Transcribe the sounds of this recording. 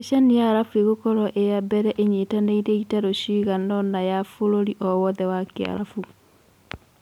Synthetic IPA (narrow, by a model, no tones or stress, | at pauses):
eʃanijaɾafueɣokɔɾɔʔejabɛɾɛʔeɲetaneiɾɛitaɾoɕiɣanɔnajafoɾoɾiʔɔwɔðɛwakea̰ɾa̰fu